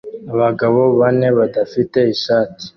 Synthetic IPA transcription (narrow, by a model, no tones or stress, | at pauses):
aβaɡaβoβaneβadafite̞iʃaːti̥